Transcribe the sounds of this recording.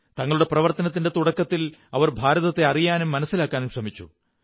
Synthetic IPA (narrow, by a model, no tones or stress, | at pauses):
t̪ɐŋːɐɭuɽe̞prɐʋɐrt̪ɐnɐt̪ːinde̞t̪uɽɐkːɐt̪ːilɐʋɐrbʱaːɾɐðɐt̪ːe̞ɐrijaːnumːɐnɐsːilaːkːaːnumɕrɐmit͡ɕːṵ